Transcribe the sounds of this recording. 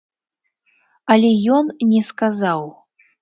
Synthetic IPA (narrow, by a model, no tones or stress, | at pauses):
ɐlʲɛjɔnnʲɛskazaw